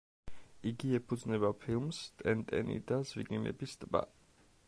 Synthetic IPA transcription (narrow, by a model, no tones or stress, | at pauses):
iɡiɛpʰud̪znɛbapʰilˠmst̪ʼɛnt̪ʼɛ̰nḭd̪azwḭɡlimɛ̰bist̪ʼbʼa̰